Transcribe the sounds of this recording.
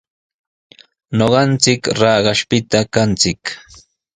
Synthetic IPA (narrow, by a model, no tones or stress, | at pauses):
noɢɑnt͡sɪkɾɑːɢɑʃpɪt̪akant͡sɪk